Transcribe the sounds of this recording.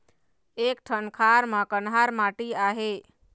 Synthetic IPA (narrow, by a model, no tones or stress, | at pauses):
ekʈʰənkʰaɾməkənɦaɾmaʈiaɦe